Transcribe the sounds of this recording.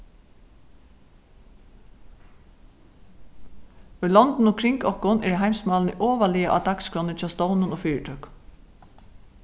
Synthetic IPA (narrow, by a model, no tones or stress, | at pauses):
ʊjlɔnt̪nʊkʰɾɪŋkɔhkʊnɛ̰ɾɦajmsmɑːlnɪʔɔːʋaliːaʔa̰d̪akskɾɔnɪt͡ʃʰɑst̪ɔwnʊnoːfiːɹɪʈʰœk